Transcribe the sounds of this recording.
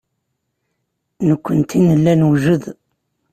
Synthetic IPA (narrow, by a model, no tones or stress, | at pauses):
nəkʷːənt̪inəlːænwʒəð